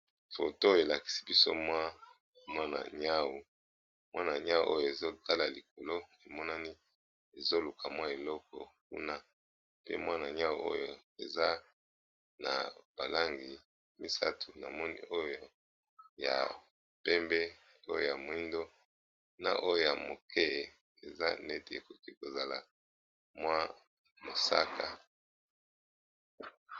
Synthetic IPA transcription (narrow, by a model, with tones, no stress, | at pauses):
fo̰˨to˦˨e˨la˨ki̥˨si̥˦bi˦so̰˦mwa˦ | mwa˦na̰˨ɲa˦wu˨ | mwa˦na˨ɲa˦wʔo̰˦jo˨e˨zo˦ta˦la˨li˨ko˨lo˦e˨mɔ˦na˦ni˦ | e˨zo˦lu˨kʰa˨mwa˦e˨lɔ˦kɔ˨k̚ṵ˦na˦ | pḛ˦mwa˦na˨ɲa˦wu˦o̰˦jo˨e˨za˦ | na̰˨b̥a˨la˦ŋɡi˨ | mi˦sa˦tʰu˨na˨mɔ˦nḭ˦ʔo˦jo˨ | ja̰˨ | pɛ˦mbɛ˦ | o˦jo˨ja˨mo˨i˦ndo˦ | na̰˨ʔo˦jo˨ja˨mo˨kʰɛ˦˨ | e˨za̰˦nɛ˦te˨ḛ˨ko˨ki˦ko˨za˨la˨ | mwa˦ | mo˨sa˦kʰa˨